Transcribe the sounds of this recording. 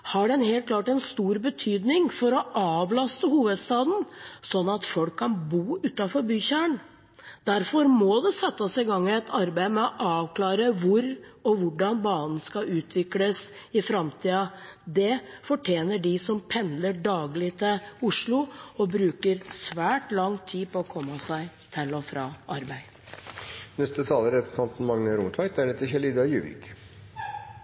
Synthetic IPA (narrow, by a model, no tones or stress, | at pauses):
hɑɖɛnhɛːlt̪klɑːʈɛnst̪uːɾbət̪ʰyːd̪nɪŋfɔɾɔʔɑːʋlɑst̪əhuːʋəd̪st̪ɑːd̪n̩sɔnːɑt̪fɔlkʰːɑnbuːʉːt̪ɑfɔɾbyːçæːɳ | d̪̥æɾfɔɾmɔd̪ɛsɛt̪ːəsɪɡɑŋːɛt̪ʰɑɾbæɪmɛɔʔɑːʋkʰlɑːɾəʋʊɾɔʋʊɖɑnbɑːnn̩skɑʔʉːt̪ʰʋɪkləsɪfɾɑmt̪ʰiːɑd̪ɛfɔʈʰjeːnəɖɪsɔmpʰɛnd̪ləɖɑːɡlɪt̪ʰɪlʊʂɭʊɔbɾʉːkəɾsʋæːʈlɑŋt̪ʰiːpɔɔkʰɔmːəsæɪ | t̪ʰɪlɔfɾɑːʔɑɾbæɪ | nɛst̪ət̪ʰɑːləɾɾɛpɾəsn̩ʰɑnt̪n̩mɑŋnəɾʊmt̪ʰʋɑɪd̪æɳət̪ːɪçɛliːd̪ɑjʉ̰ːʋɪ̰k